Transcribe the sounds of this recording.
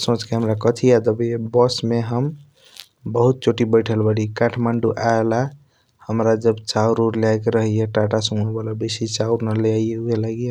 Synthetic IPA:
sõt͡ʃkeɦəmɾakət̪ʰiad̪əbebɔsmeɦəm | bəɦut̪̚t͡ʃʰoʈibəjʈʰəlbəɽikaʈʰmaɳɖuʔala | həmɾad͡ʒəbt͡ʃauɾoɾleajkeɾəɦieʈaʈasuebalabesit͡ʃauɾnəleaieɦuelaɡi

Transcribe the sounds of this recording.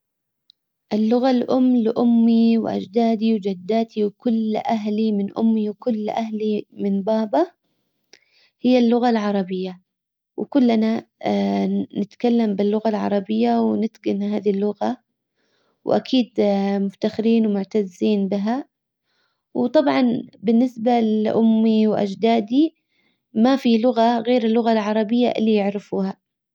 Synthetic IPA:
ʔɪlːʊɣalʔʊmːlɪʔʊmːiwʔa̰d͡ʒd̪aːd̪iwd͡ʒad̪ːaːt̪iwkʊlʔaɦlimɪnʔʊ̰mːiwkʊlːʔaɦlimɪnbaːba | hɪjːalːʊɣalʕɑɾˤɑbɪjːa | wkʊlːana | nɪt̪kalːambɪlːʊɣalʕɑ̰ɾˤɑbɪjːawnɪt̪ɡɪnhaːðilːʊɣa | wʔa̰kʰiːd̪mʊft̪axɪɾiːnwmʊʕt̪azːiːnbɪɦa | wt̪ˤɑbʕɑnbɪnːɪsbalʔʊmːiwʔa̰d͡ʒd̪aːd̪i | mafilʊɣaɣeːɾɪlːʊɣalʕɑɾˤɑbɪjːa̰ʔɪlːijɪʕɾɪfuːha

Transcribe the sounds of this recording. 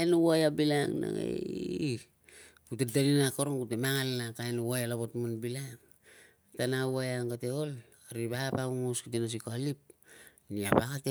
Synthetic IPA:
aenowajabilaŋna̰ŋḛ | kutedaninakoɾoŋkutemaŋalnakajnowajalaβotmanbilaŋ | tanawajaŋkateol | aɾiβapauŋoskutenas̬ikoalip̚ | niapakate

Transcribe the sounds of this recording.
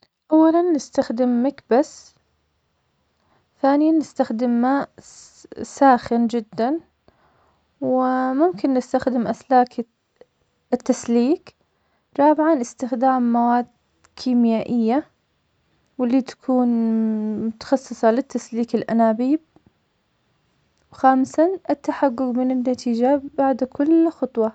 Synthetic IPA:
ʔawːalanːɪst̪axd̪ɪmːɪkbasː | θaːnɪjanːɪst̪axd̪ɪmːaːʔʔ | saːxɪnd͡ʒɪd̪ːan | wɪmʊmkɪnːɪst̪axd̪ɪmʔaslaːk | ɪt̪ːasliːk | ɾˤɑːbɪʕanʔɪst̪ɪxd̪aːmːawaːd̪ | kʰiːmjaːʔɪjːa | wɪlːiːt̪ḁkʰuːnmʊt̪ɑ̥xɑsˤːɨsˤɑlɪt̪ːasliːkɪlʔa̰naːbiːb̚ | wxaːmsaʔɪt̪ːaħaɡːʊɡmɪnɪnːat̪ʰiːd͡ʒabaʕd̪kʰʊlxʊt̪ˤwɑ

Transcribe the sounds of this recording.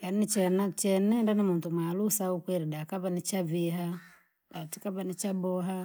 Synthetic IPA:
kannit͡ʃɛnat͡ʃɛnɛndanimuntumaːlusaukwɛɾidakaβanit͡ʃaviɦa | ɗatikaβanit͡ʃabɔɦa

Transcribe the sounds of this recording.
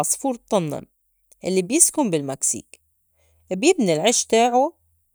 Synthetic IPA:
ɑsˤfuːɾt̪ˤːɑnːɑ̰m | ʔɪlːibjɪskʊmbɪlmaksḭːk | bjɪbnilʕɪʃt̪aːʕu

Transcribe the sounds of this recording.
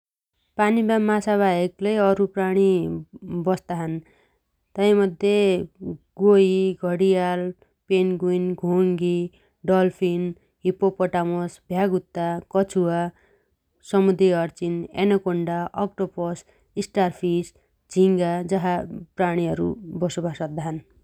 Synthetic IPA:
panibamasaβajeklejʌɾupraɽ̃i | bʌst̪aɦʌn | t̪ʌj̃mʌd̪ʱje | ɡoiɡʱʌɽijal | penɡuinɡʱoŋɡi | ɖʌlpʰin | ɦipopʌʈamosbʱjaɡut̪ːakʌt͡sʰuwa | sʌmud̪ɾiʌrt͡sinḛnʌkoɳɖaʔʌkʈopɔs | isʈarpʰis | d͡ziŋɡad͡zʌɦapraɽ̃iɦʌɾṵbʌsubʱasʌk̚d̪aɦʌn

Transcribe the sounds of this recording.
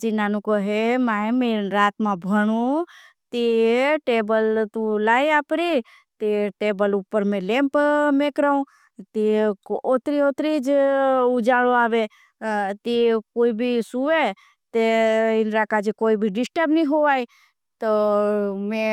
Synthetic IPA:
d͡ʒinaːnũkoɦemaːemeɾaːt̪mãbʱəɽ̃ũ | t̪iʈeːbəlt̪ulaːiaːpɾi | t̪iʈeːbəlupːəɾmẽlẽmpmekɾaũ | t̪ikot̪ɾiot̪ɾid͡ʒʊd͡ʒaːɽoaːʋe | t̪ikoːibʱisuʋe | t̪eɪnɾakad͡ʒekoːibʱiɖɪsʈəbniɦoʋaːi | t̪o | mẽ

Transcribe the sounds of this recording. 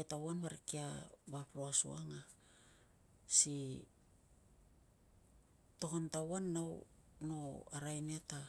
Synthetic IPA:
etawanβaɾikia̰bapɾoasṵa̰ŋa | si | to̞kontawanːawnoaɾajneta

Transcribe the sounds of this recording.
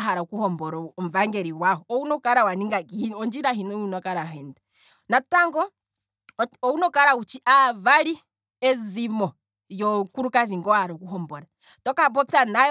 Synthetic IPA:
ɦaɾaukuhɔmbɔɾɔɔm̩vaŋɡɛɾiwaɦɔɔunɔkaɾawaniŋɡakiɔnd͡ʒiɾaɦinɔunɔkaɾaɦɛndɛ | nataŋɡɔ | ɔunɔkaɾaut͡ʃiʔavaɾi | ɛzimɔ | jɔkuɾukaðiŋɡɔhaɾɔkuɦɔmbɔɾa | tɔkap̬ɔpanaj

